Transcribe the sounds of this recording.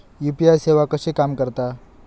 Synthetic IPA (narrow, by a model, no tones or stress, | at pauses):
jupijajseʋakəsekamkəɾt̪a